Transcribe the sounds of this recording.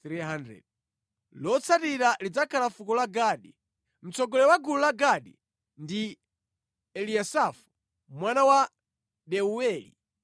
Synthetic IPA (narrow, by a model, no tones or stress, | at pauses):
tɾiɦandɾɛ̰ɗi | lɔt͡sʰatiɾalid͡zakʰalafukɔlaɡaɗi | m̩t͡sɔɡɔlɛwaɡululaɡaɗi | ndi | ɛliasafu̥ | mwanawa | ɗɛuɛːlḭ